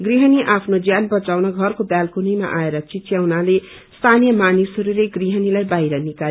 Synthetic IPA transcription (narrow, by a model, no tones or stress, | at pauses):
ɡriɦʌniʔapʰnod͡zjanbʌt͡sawnʌɡʱʌrkobjalkunijma̰ʔaeɾʌt͡sitjawnale | st̪ʰanijʌmanisʌɾuleɡriɦʌnilajbajɾʌnikal